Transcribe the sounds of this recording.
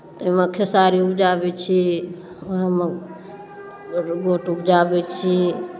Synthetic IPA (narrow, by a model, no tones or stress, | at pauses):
t̪eməkʰesaɾiupd͡ʒabɛt͡ʃʰi | oɦəmə | ɡoʈupd͡ʒabɛt͡ʃʰi